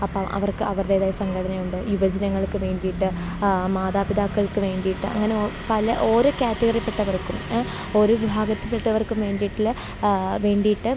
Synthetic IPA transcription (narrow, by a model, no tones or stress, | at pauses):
ɐpːoʔɐ̰ʋɐrkɨɐʋɐrɽe̞ːðaːjisɐŋɡʰɐɽɐnɐjuɳɖɨjuʋɐd͡ʑɐnɐŋːɐɭkːɨʋe̞ːɳɖijiʈːɨ | maːðaːbid̪aːkːɐɭkɨʋe̞ːɳɖijiʈːɨʔɐ̰ŋːɐne̞opɐlɐʔo̞ːɾokaːtːɐɣɐrjɐpːe̞ʈːɐʋɐrkːum | o̞ːɾoʋibʱaːɡɐt̪ːɨpːeʈːɐʋɐrkːumʋe̞ːɳɖijiʈːil | ʋe̞ːɳɖijiʈːɨ